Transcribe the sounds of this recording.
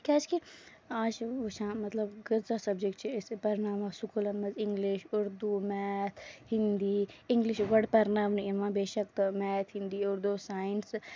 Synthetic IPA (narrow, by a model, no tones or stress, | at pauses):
kʲaːt͡ʃki | aːt͡ʃoʃãːmɐt̪lɐbɡɐzasɐbd͡ʒek̚ʈt͡ʃʰispɐɾɪnaːmasukulɐmːɐzɪŋɡliʃʊɾd̪umɛːt̪ʰhɪnd̪iɪŋɡliʃɡɐɽpɐɾnaːmninmãbeːʃɐkt̪mɛːt̪ʰɦĩnd̪iʊɾd̪usaːɪns